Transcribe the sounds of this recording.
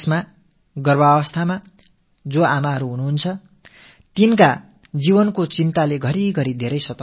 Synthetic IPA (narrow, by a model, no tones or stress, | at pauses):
sma | ɡʌrbaʌβʌst̪ʰama | d͡zoamaɦʌɾuɦunuɦunt͡sʰʌ | t̪inka | d͡zibʌnkot͡sint̪aleɡʱʌɾiɡʌɾid̪ʱeɾʌjsʌt̪ʌ